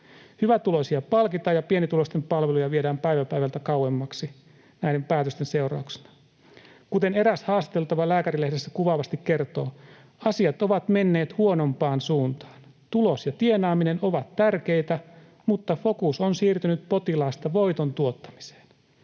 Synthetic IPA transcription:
hyʋæt̪ulo̞siɑpɑlkit̪ɑːjɑpienit̪ulost̪empɑlʋelujɑʋiedæːmpæjʋæpæjʋælt̪ækɑwemːɑksi | næjde̞mpæːt̪øst̪ense̞urɑ̰ˑukse̥nɑ | kut̪e̞ne̞ɾæshɑːst̪ɑ̥t̪e̞lt̪ɑʋɑlæːkæɾilehdesːækuʋɑʋɑst̪ikke̞rt̪o̞ː | ɑsiɑt̪o̞ʋɑt̪me̞nːe̞ːt̪huo̞no̞mpɑːnsuːnt̪ɑ̥ːn | t̪ulosjɑt̪ie̞nɑːmine̞no̞ʋɑt̪ːærke̞jt̪æ | mut̪ːɑfo̞kusonsiːrt̪ynyt̪̚po̞t̪ilɑːst̪ɑʋo̞jt̪ont̪uo̞t̪ːɑ̥mi̥se̥ːn

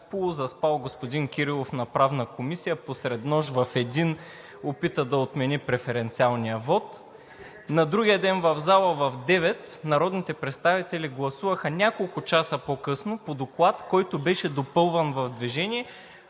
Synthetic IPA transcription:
polˠʊzɐspalˠɡospod̪inkʲiɾilˠofnɐpɾavnəkomisijəposɾɛd̪nɔʒvɐfɛd̪in | opit̪əd̪ɐot̪mɛnipɾɛfɛɾɛnt̪sialˠnijəvɔt̪ | nɐd̪ɾuɡʲijəd̪ɛnvɐvzalˠəvɐvd̪ɛvɛt̪nɐɾɔd̪nit̪ɛpɾɛt̪st̪avit̪ɛlʲiɡlˠɐsuvəxənʲakolˠkʊt͡ʃasəpokɤsnopod̪oklˠat̪kɔjt̪ʊbɛʃɛd̪opɤlˠvɐnvɐvd̪viʒɛnʲiɛ

